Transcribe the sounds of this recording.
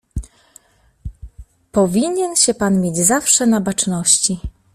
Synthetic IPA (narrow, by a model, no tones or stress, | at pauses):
pɔvʲiɲɛnɕɛpanmʲjed͡ʑzafʂɛnabat͡ʂnɔɕt͡ɕi